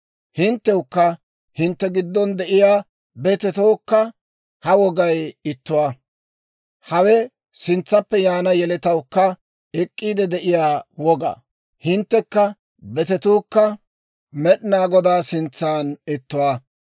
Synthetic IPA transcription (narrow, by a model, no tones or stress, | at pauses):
hɪnt̪ːɛwʊkːɐ | hɪnt̪ːɛɡɪd̪ːɔnd̪ɛʔɪjaː | bɛt̪ɛt̪oːkːɐ | hɐwɔɡɐjɪt̪ːʊwaː | hɐwɛ | sɪnt͡sːɐpːɛjaːnɐjɛlɛt̪ɐwkːɐ | ɛkʼːiːd̪ɛd̪ɛʔɪjaːwɔɡɐ̰ | hɪnt̪ːɛkːɐ | bɛt̪ɛt̪uːkːɐ | mɛɗɪnaːɡɔd̪aːsɪnt͡sːaːnɪt̪ːʊwaː